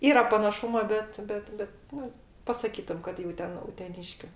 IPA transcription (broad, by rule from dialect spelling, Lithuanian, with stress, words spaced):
ˈiːrɐ pɐnɐˈʃʊmoː ˈbʲɛt ˈbʲɛt ˈbʲɛt ˈnʊ pɐsɐˈkʲiːtʊm kɐt jɛʊ ˈtʲɛn ʊtʲɛˈnʲɪʃʲkʲʊ